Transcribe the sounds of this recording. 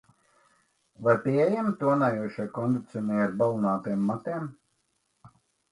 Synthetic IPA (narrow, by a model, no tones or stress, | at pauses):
vaɾpʲiɛjɛmt̪ːuɔnajuɔʃajkɔnd̪it̪sʲɔnʲiaɾbalˠunaːt̪imːat̪im